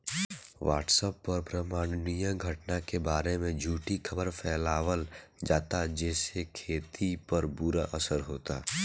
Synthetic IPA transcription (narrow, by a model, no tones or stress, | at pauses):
ʋa̰ːʈsəpːɔːɾpɾɐmaːɽ̃nijə̃ɡʱɐʈnakebaːɾemẽd͡ʒʱuːʈikʰɐbəɾpʰɛːlaːʋəld͡ʒaːt̪ad͡ʒɛːsekʰeːt̪ʰipɐɾbuɾaʔɐsəɾɦoːt̪a̰ː